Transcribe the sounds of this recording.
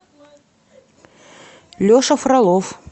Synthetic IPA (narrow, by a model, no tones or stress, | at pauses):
lʲoʂəfrɐlˠof